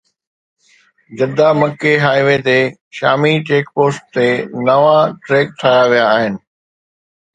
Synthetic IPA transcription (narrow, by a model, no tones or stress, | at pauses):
d͡ʑɐd̪amɐkːeɦaːiʋet̪e | ʃa̰ːmit͡ɕeːk̚poːsʈ̚t̪enɐʋaʈɾeːk̚t̪ʰaːjaʋijaːɦɪnɪ̆